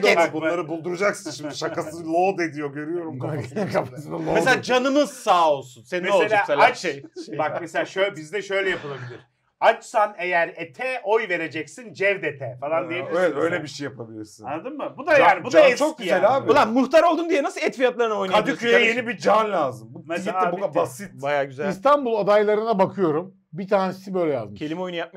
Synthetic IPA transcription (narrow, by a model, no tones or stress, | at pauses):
ɛbunˠaɾɯbulˠd̪uɾud͡ʒaksɯnʃimd̪iʃakasɯlˠod̪ed̪ijoɡø̞ɾyjo̞ɾumakʰapasmlˠomeseaːd͡ʒanɯmɯz̥saːo̞lˠsunsenimesolˠelʲaːselaʃejʃbakmeselʲaːʃøbizd̪ɛʃø̞jlʲɛjapɯlˠabilʲiɾ̥ | at͡ʃsanejæɾet̪ʰɛʔojve̞ɾe̞d͡ʒɛcsind͡ʒɛvd̪et̪ʰɛfalˠand̪ijeieɛø̰jlʲɛbiʃejːapʰabilʲiɾsunanad̪ɯmmɯbud̪ajaːnbudd͡ʒ̪at͡ʃʰokelaːbilˠanmuxt̪ʰaɾo̞lˠd̪und̪ijɛnasɯlˠɛt̪fijat̪lˠaɾɯnao̞jnk̪aadiiyjjenibid͡ʒanlʲaːzɯmbuasiibunabbasit̪̚bajaːɟyzælist̪ʰanbulˠad̪ajlˠaɾɯnabakʰɯjo̞ɾum | bit̪ʰaːnesisibø̞jlʲɛja̰zd̪ɯmʰelʲimo̞junjap̚m